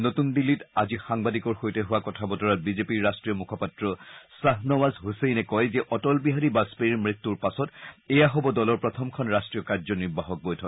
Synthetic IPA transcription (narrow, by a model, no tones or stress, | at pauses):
notundilːitazixaŋbadikɔɹxojtɛɦuwakɔtʰabɔtɔɹat̚bizepiɹːastɹijɔmukʰɔpatɹɔsaɦnɔwazɦusejnɛkɔjzɛʔɔtɔlbiɦaɹibaspeimɹitːuɹpasɔtɛjaɦɔbɔdɔlɔɹpɹɔtʰɔmkʰɔnɹastɹijɔkaɹzɔniɹbaɦɔk̚bojtʰɔk